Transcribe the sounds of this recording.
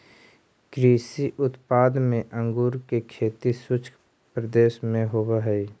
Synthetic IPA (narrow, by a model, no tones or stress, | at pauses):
kɾiːsiʔʊt̪paːd̪mẽʔə̃ŋɡuːɾkekʰeːt̪isʊt͡ʃʰ | pɾəd̪eːʃmẽɦowaɦɛi